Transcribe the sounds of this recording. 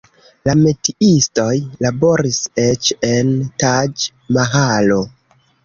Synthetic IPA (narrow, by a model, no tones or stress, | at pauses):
lame̞tiistojlabo̞ɾiset͡ʃe̞ntad͡ʒ | maɦalo̞